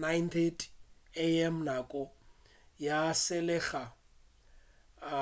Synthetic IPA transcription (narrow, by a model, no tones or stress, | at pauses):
najntʰetʰʼeɛm̩nakʼɔ | jasɪlɛːχa